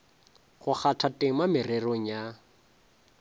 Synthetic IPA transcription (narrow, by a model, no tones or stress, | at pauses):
χʊχatʰatʼeŋ̩mamɪreroŋ̩ja